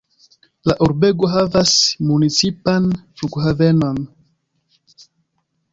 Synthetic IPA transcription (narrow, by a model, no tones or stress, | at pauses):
laʔuɾbeɡoɦavasmunit͡sipanfukuɦaveno̞n